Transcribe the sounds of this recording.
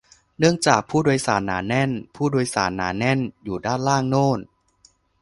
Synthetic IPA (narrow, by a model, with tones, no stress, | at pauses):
nɯ˥˩əŋt͡ɕaː˨˩k̚pʰuː˥˩doː˧jsaː˩˦nːaː˩˦nːɛ˥˩npʰuː˥˩doː˧jsaː˩˦nːa̰ː˩˦nːɛ˥˩njuː˨˩daː˥˩nlaː˥˩ŋnoː˥˩n